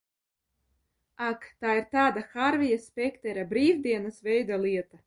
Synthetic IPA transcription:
akt̪aːiɾt̪aːd̪axaɾvʲijaspʲɛkt̪ɛɾabɾiːvd̪iɛnasvɛjd̪alˠiɛt̪a

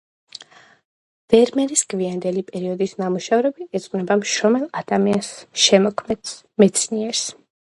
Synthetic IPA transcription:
v̥ɛɾmɛɾisɡviand̪ɛlipʼɛɾiɔd̪isnamuʃavɾɛbiɛt̪sʼqʼwnɛbamʃɾɔmɛlˠad̪̥amiansʃɛmɔkʰmɛd̪ | mɛt̪sʰniɛɾs

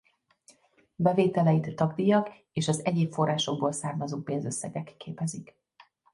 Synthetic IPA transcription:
bɛveːt̪ɛlɛjit̪t̪ːɒɡd̪ijɒk | eːʃɒzɛɟeːpfo̞rːaːʃo̞ɡ̚boːlsaːrmɒzoːpeːnzøsːɛ̰ɡɛkːeːpɛzik

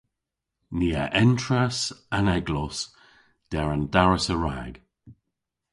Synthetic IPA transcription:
niːa̰ʔɛntɹasanɛɡlɔs | d̥ɛɹandaɹəsəɹa̰ːɡ̥

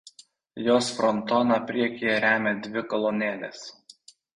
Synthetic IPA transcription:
joːsfɾɔnˑt̪oːnɑpʲɾʲiɛkʲijɛɾʲæːmʲɛd̪ʲʋʲɪkɔlˠɔnʲeːlʲɛ̰s

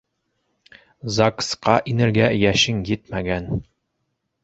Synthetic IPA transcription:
zɑksqɑʔinɘ̆ɾɡæjæʃɘŋjɘt̪̚mæɡæn

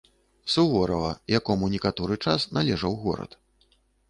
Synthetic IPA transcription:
suvɔɾɐvɐjakɔmunʲikat̪ɔɾɨt͡ʂasnalʲɛʐɐwɣɔ̰ɾɐ̰t̪

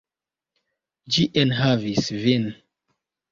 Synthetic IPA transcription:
d͡ʒiʔɛnɦavisvin

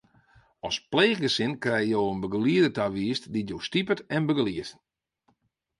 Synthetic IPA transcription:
ɔspleːχɡəsɪnkrɛjəjoːənbəɡəliədətaʋiːstditjowstipətɛnbəɡəliət

